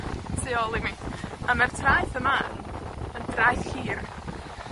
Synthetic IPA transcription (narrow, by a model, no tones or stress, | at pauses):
seɔlˠɪmiamartʰrajθəma | əndrajθhiːr